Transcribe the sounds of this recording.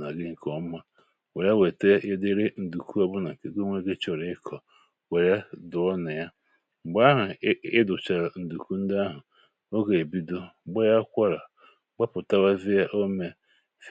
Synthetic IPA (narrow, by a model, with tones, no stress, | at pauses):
na˨ɡɪ˦ŋ̩˨kɔ˨˦ma˦ | we˨ɾa˦we˨te˦ɪ˦dɪ˦ɾɪ˦n̩˨du˨ku˦ɔ˦bʊ˦na˨ŋ̩˨ke˨˦ɡo˦ŋʷe˦ɡe˦t͡ʃɔ˨ɾɪ˦kʰɔ˨ | we˨ɾa˦dʊ˨ɔ˦na˨ja˦˨ | ɡ͡ba˦ɦʊ˨ɪ˦dʊ˨t͡ʃa˨ɾa˨n̩˨du˨ku˦n̩˦dɪ˦a˦ɦʊ˨ | o˦ɡe˨e˨bi˦do˦ɡ͡ba˦ja˦kʷa˦ɾa˨ | ɡ͡ba˦pʊ˨ta˦wa˦vi˦ja˦ʔo˦me˦ | f